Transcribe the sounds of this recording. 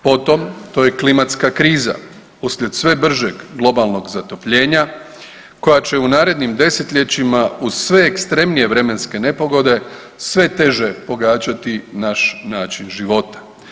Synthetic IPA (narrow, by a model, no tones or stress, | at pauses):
po̞t̪o̞mt̪o̞ːje̞klimat̪skakɾiːza̰ | usʎe̞d̪sʋe̞br̩ʒeɡɡlˠo̞balˠno̞ɡzat̪o̞pʎe̞ːɲa | ko̞jat͡ɕe̞unaːɾe̞d̪nimd̪e̞set̪ʎʲe̞t͡ɕimauz̥sʋe̞ːkst̪ɾe̞mnije̞ʋɾe̞me̞nske̞ne̞po̞ɡo̞d̪e̞ | sʋe̞t̪e̞ʒe̞po̞ɡaːt͡ɕat̪inaʃnaːt͡ʃinʒiʋo̞t̪ḁ